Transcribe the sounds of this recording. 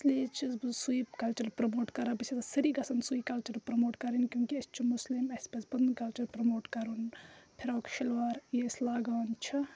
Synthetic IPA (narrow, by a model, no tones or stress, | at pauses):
slet͡ʃʰizbɨzsujikɐlt͡ʃɐɾpɾɐmoːʈkɐɾabit͡ʃʰit̪ɐsɐɾiɡɐsɐnsuikɐlt͡ʃɐɾpɾɐmoːʈkɐɾinkʲjõːŋkiɐst͡ʃʰimuslimɐspɐsbɐnkɐlt͡ʃɐɾpɾɐmoːʈkɐɾunpʰiɾaːkʃilʋaːɾjeslaːɡaːnt͡ʃʰi